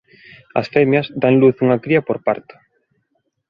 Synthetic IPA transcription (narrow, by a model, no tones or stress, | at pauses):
ɐ̰sfɛmjɐzd̪aŋluθuŋɐkɾiɐpoɾpa̰ɾt̪ʊ̥